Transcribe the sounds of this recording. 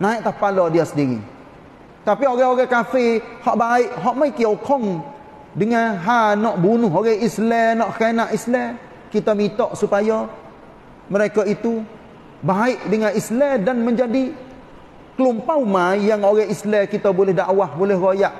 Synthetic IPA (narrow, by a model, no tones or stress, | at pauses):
naiʔt̪ahpalɔdiasəndiɾḭ | t̪apioɡɛoɡɛkafihɔʔbaɪʔɦɔʔmajkiokʰɔŋ | dəŋanɦanɔʔbunʊɦoɡɛʔislɛnɔʔkanaʔislɛ | kit̪əmit̪ɔʔsupajɔ | məɾekait̪u | baɪʔdəŋanislɛdanməɲd͡ʒadi | kəlumpawmajaŋoɡɛislɛkit̪əbolɛhdaʔwahbolɛhrojaʔ